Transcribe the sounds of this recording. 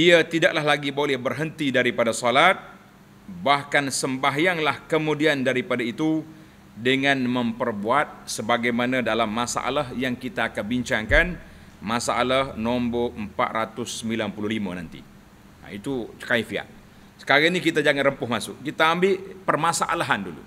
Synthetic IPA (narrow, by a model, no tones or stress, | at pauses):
iat̪idaʔlaɦlaɡibolɛhbərɦənt̪idaɾipadasolat̪̚ | bahkansəmbaɦjaŋlahkəmudiandaɾipadait̪u | dəŋãnməmpərbuat̪̚səbaɡajmanadalamːasa̰ʔa̰lahjaŋkit̪aːkanbiɲt͡ʃaŋkan | masaʔalahnɔmboəmpa̰t̪̚rat̪ʊsːəmbilanpuluhlima̰na̰nt̪ḭ | a̰it̪ut͡ʃə̥kaifia̰ʔ̚ | sə̥kaɾanikit̪ad͡ʒaŋanrəmpʊhmasʊʔkit̪aːmbɪlpərmasaʔa̰laɦandulṵ